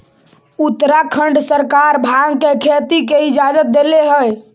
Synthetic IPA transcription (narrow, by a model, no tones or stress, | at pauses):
ut̪ːɾakʰəɳɖsəɾkaɾbʱaɡkekʰet̪ikeɪd͡ʒad͡ʒət̪̚d̪eleɦəj